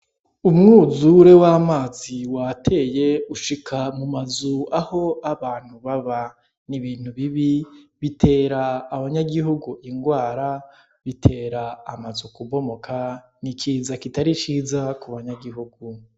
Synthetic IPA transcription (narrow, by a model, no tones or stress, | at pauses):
umŋuːzuɾe̞wamaːziwatʰe̞ːje̞uʃikʰamumazuaho̞aβaːn̥huβaβa | niβiːn̥huβiβiβitʰe̞ːɾaːβaɲaɡiɦuɡuʔiŋɡwaːɾa | βitʰe̞ːɾaːmazukuβo̞mo̞kʰa | nikiːzakitaɾit͡ʃiːzakuβaɲaɡiɦuɡu